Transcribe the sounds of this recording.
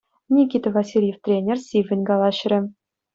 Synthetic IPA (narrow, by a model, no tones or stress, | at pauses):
nʲikʲit̪ɤ̆vɑsʲilʲjeft̪rʲenʲersʲivʲɘ̆nʲɡɑlˠɑɕrʲɘ̆